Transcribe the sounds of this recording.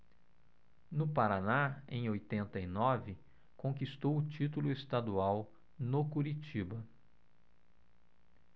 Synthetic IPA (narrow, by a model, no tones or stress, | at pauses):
nʊpaɾanaẽj̃ojt̪ẽnt̪ɐinɔvɪ | kõkist̪owʊt͡ʃit̪ulʊest̪ad̪uaw | nokuɾit͡ʃibɐ